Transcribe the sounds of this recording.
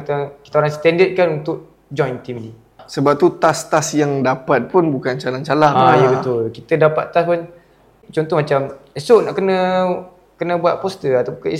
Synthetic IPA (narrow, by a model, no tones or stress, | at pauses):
t̪əki̥t̪aoɾaŋsə̥t̪ɛndət̪̚kanunt̪ʊk̚ | d͡ʒɔjnt̪imni | səbap̚t̪ut̪ast̪asjaŋdapat̪̚pʊnbukant͡ʃalaŋt͡ʃalaŋajəbət̪ʊlkit̪ədapa̰t̪t̪aspʊn | t͡ʃɔnt̪ɔhmat͡ʃamesoʔnaʔkənə̃ | kənə̃buat̪̚pɔst̪əat̪aki